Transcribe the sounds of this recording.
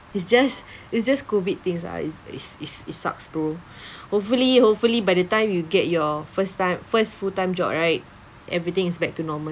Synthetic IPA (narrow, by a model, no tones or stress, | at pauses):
isd͡ʒasitsd͡ʒaskovid̚t̪ĩŋsa̰ḭsḭsisisa̰kspɹo | hop̚fulihopfulibaɪdətãɪ̃mjuɡɛt̚jɔfəstãɪ̃mfəstfutãɪ̃md͡ʒɔ̰p̚ɹaɪt̚ | ʔɛ̰vɹit̪ɪ̃ŋisbɛk̚tunɔmə